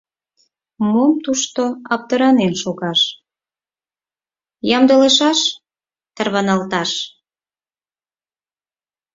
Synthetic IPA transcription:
momt̪uʃt̪oɑp̚t̪əɾɑnenʃoɣɑʃ | jɑmd̪əleʃɑʃ | t̪ərβɑnɑlt̪ɑʃ

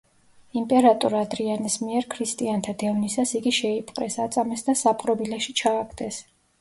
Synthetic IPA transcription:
impʼɛɾat̪ʼuɾad̪ɾianismiɛɾkʰɾist̪ʼiant̪ʰad̪ɛvnisasiɡiʃɛipʼqʼɾɛ̰sat̪sʼamɛsd̪asapʼqʼɾɔbilɛʃit͡ʃʰaːɡʰd̪ɛs

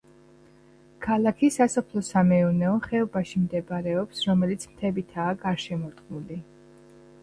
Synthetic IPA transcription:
kʰalˠakʰisasɔpʰlˠɔsamɛunɛɔχɛɔbaʃimd̪ɛbaɾɛɔpsɾɔmɛlit̪sʰmt̪ʰɛbit̪ʰaːɡaɾʃɛmɔɾt̪ʼqʼnuli

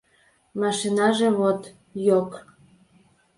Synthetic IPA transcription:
mɑʃinɑʒeβot̪ | jok

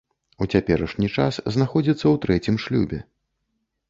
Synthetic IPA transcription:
ut͡sʲapʲɛɾɐʂnʲit͡ʂa̰sznaxɔd͡zʲit̪sːɐwt̪ɾɛt͡sʲimʂlʲubʲɛ̰

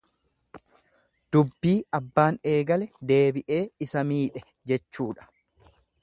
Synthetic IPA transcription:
d̪̥ʊbːiːɐbːaːne̞ːɡɐlɛd̪e̞ːbɪʔe̞ːɪsɐmiːᶑɛ | d͡ʒɛt͡ʃːuːᶑɐ̥

